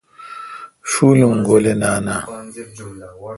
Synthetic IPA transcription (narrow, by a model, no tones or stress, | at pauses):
funuŋ̩ɡolenana